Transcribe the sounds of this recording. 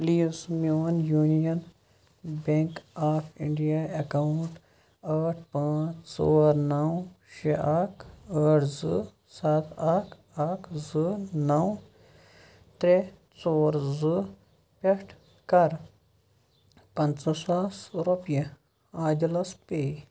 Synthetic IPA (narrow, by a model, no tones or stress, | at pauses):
pliːsmjoːnjuːnijɐn | beŋkaːpʰḭɳɖijaekauɳʈ | əːʈʰpãːt͡ʃt͡so̰ːɾnɐw | ʃeʔaːkʰɐːʈʰzɨ | sat̪ʰaːk | aːkʰzɨnɐw | t̪ɾe | t͡soːɾzɨ | peʈʰ | kɐɾ | pɐnt͡sɐsaːsɾopjɐ | aːd̪ilɐspe